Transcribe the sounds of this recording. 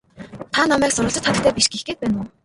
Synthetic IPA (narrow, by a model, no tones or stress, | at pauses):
t̪ʰanamæːksʊɾʊ̆ːɬt͡ɕə̆t̪χat̪ə̆k̚t̪æːpiʃɡixɡeːt̪̚pæːnʊː